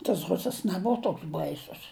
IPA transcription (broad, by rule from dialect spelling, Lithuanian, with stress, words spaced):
tɐs ˈrʊsɐs nʲɛˈboːʋɐ ˈtoːks ˈbɐɪsʊs